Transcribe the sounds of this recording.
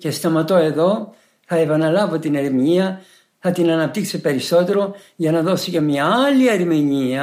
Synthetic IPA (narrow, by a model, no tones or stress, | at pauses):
ce̞st̪ɐmɐt̪o̞e̞ðo̞ | θɐepɐnɐlɐvo̞t̪ineɾimiɲiɐ | θɐt̪inɐnɐp̚t̪iksepe̞ɾiso̞t̪e̞ɾo̞ | ʝɐnɐðo̞sice̞mɲɐɐliɐɾimiɲiɐ